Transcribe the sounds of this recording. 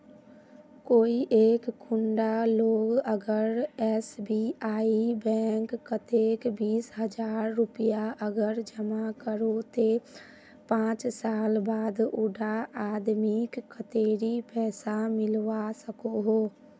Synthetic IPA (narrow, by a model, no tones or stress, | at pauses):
koːiʔeːkkʰʊɳɖaloːɡəɡəɾɛsbiaːibɛːŋkːət̪eːkbiːsɦəd͡ʒaːɾːʊpijaʔəɡəɾd͡ʒəmakəɾot̪e | pãːt͡ʃsaːlbaːd̪ʊɖʱaaːd̪mikːət̪eːɾipɛːsamɪlʋasəkoɦoː